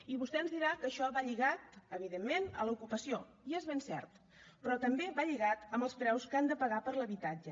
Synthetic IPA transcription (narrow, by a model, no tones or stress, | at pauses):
iβust̪ɛənzðiɾakəʃɔβaʎiɣat̪əβ̞iðemːenə̰ləukupəsio | iezβensɛ̰rt̪ | pɾɔt̪əmbeβaʎiɣat̪əmbəlˠspɾɛwskand̪əpəɣ̞apəɾləβit̪ad͡ʒə